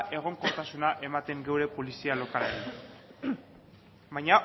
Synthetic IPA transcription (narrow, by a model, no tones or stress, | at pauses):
ʔe̞ɣ̞o̞ŋko̞t̪asunaʔe̞mat̪e̞ŋɡe̞wɾe̞po̞lisialo̞kalaen | bajɲa